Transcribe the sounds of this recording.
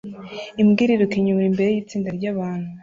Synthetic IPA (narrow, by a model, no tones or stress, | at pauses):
imɡiːɾiɾukiɲumɾimbe̞ɾejit͡siːndaɾɟaːβaːn̥huu